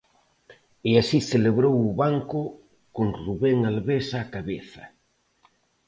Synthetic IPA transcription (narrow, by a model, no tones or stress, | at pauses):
easiθeleβɾowʊβaŋkʊ | koŋruβeŋalβesaːkaβeθɐ